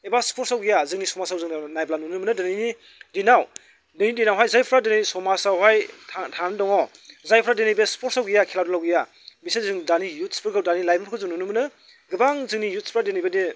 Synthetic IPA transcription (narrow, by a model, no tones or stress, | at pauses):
ebaspʰoɾtsawɡijazɯŋnisɔmasawzɯŋnajblanunɯmɯnɯdɯnijni | dinaw | denidinawɦajzajpʰɾadenijnisɔmasawɦajtʰatʰanɯdɔŋɔ | zajpʰɾadenajbespʰoɾsawɡijakʰiladɔlawɡija | bisezzɯŋdanijut̚spɯɾɡʰɯwdanilajbankʰɯzɯŋnunumɯnɯ | ɡɯbaŋzɯŋnijut̚spʰɾadenajbeni